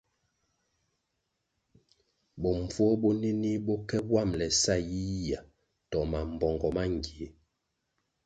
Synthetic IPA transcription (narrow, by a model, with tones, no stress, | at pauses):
bɔ˨ɱ˨vwɔ˦bɔ˦ne˦ni˦bɔ˦kɛ˦bwa˦˨mlɛ˨sa˦˨ji˦i˦ja˨ | tɔ˨ma˨m˨bɔ˨ŋɡɔ˨ma˦ŋ˨ɡi˨˦